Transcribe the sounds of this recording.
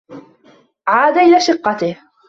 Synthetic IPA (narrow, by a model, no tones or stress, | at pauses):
ʕaːd̪aʔɪlaːʃɪqːɑt̪ɪh